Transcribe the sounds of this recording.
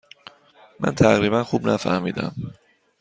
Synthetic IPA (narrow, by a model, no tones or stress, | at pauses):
mʔæ̰nt̪ʰæɣɾiːbænxubnæfæ̰hmiːd̪æ̰m